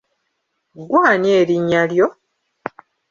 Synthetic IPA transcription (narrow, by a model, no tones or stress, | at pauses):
ɡwaːnjeːɾiɲːaljo̞